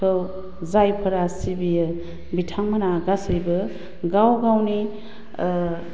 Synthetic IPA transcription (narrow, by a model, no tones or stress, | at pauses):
aw | zajpʰɐɾasibijɯ | bitʰaŋmanaɡasɯjbɯ | ɡawɡawni